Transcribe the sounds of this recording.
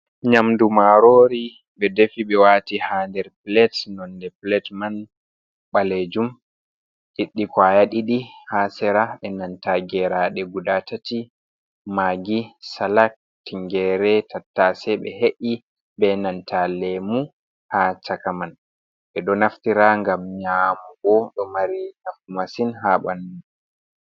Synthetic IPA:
ɲamdumaɾoɾi | ɓɛdefiɓɛwatihandɛɾplɛtnɔndɛplɛtman | ɓaled͡ʒum | ɗiɗːikwajaɗiɗihasɛɾaɓɛnantaɡɛɾaɗɛɡudatati | maɡisalak̚ | tiŋɡɛɾɛtʰatːasɛɓɛ̰ɦeʔi | bɛnantalɛmu | hat͡ʃakaman | ɓɛɗɔnaftiɾaŋɡamɲamuɡɔɗɔmaɾinafkumasinɦaɓanu

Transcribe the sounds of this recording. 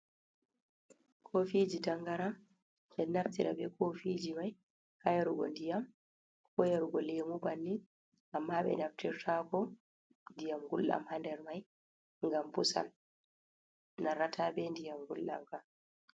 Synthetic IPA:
kʰofid͡ʒitaŋɡaɾam | ɓɛnaftiɾa̰bɛkʰofid͡ʒimaj | kajaɾuɡɔ̰ndijam | kɔjaɾuɡɔlemubanːi | ʔamːaɓɛ̰naftiɾtʰakɔ | ndijamɡulːa̰mhandɛɾmaj | ŋɡambusa̰n | naɾatʰaːbɛndijamɡulːa̰mka

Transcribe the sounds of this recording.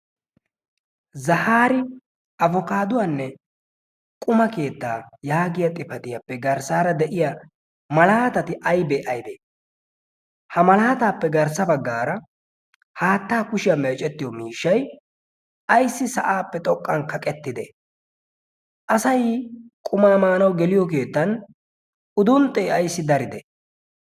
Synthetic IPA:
zɐhaːɾɪ | ɐvɔkaːd̪ʊwanːɛ | kʼʊmɐke̞ːt̪ːaːjaːɡɪjɐt̪ʼɪfɐt̪ɪjɐpːɛɡɐɾsaːɾɐd̪ɛʔɪja | mɐlaːt̪ɐt̪ɪʔɐjbeʔɐjbeː | hɐmɐlaːt̪aːpːɛɡɐɾsɐbɐɡːaːɾɐ | haːt̪ːaːkʊʃɪjɐmeːt͡ʃʼɛt̪ːɪjɔmiːʃːɐj | ɐjsːɪsɐʔaːpːɛt̪ʼɔkʼːɐnkɐkʼɛt̪ːɪd̪ɛ̰ | ʔɐsɐjkʼʊmaːmaːnɐwɡɛlɪjɔk̬e̞ːt̪ːɐn | ʔʊd̪ʊnt̪ʼːɛɐjsːɪd̪ɐɾɪd̪ɛ

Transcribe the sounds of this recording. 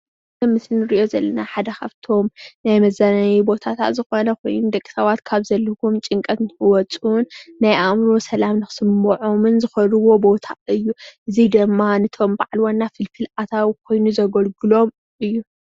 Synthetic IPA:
ɐmɨslnɨɾiʔjo̞zɐlːɐnaħad̪ɐkʰaβt̪ʰo̞mnajmɐzanɐjibo̞t̪ʰat̪ʰa̰t̪zɨxo̞nɐkʰo̞̰jnud̪ɐkʼːi̥sɐβat̪kʰaβzɐlːɐkʰumt͡ʃʼɨŋkʼɐt̪nɨɨwɔt͡sʼunːajʔamɾo̞sɐlamnɨxɨ̥sɨmːuʕomɨnzɨxɐɾɨwo̞bo̞t̪ʰaɨjːuʔɨzid̪ɨmːanɨt̪ʰo̞mbaʕlwanːafɨlfʰɨlat̪ʰawkʰo̞jnuzɐɡɐlɡɨlo̞m | ʔɨjːu

